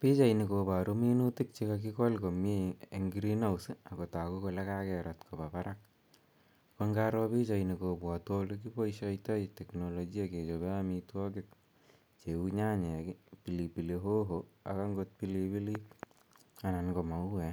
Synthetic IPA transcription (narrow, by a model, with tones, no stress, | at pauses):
pi˦t͡ʃa˨ini˨kopa˨ɾo˦mi˦nu˦ti˦k̚t͡ʃikak̬ikɔ˦lko˨mieŋɡiɾina˦usɯ˦a˨ko˨ta˨ko˦ko˧la˦kakɛɾatkʰo˨papaɾak̚ | koŋɡaɾɔ˦pi˦t͡ʃaini˨ko˨pwɔtwoluk̬ipo˦iʃajtɔ˦itɛ˨kno˨loɡi˦ake˨t͡ʃobe˦amitwɔkɪk̚ | t͡ʃeuɲa˦ɲɛ˨kipi˨lipi˨leɦo˦ɦoa̰˨ka˦ŋɡot̚pilipi˦li˦k | a˨na˨nko˨ma˨uɛ˨